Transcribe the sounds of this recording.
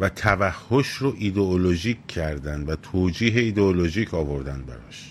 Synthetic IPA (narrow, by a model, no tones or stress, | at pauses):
væt̪ʰævæhːoʃɾoʔid̪eoloʒiːcʰːæɾd̪ænd̪væt̪ʰoːd͡ʒiːɦe̞iːd̪eoloʒiːcʰɒːvoɾd̪ænd̪̚bæ̰ɾɒ̰ʃ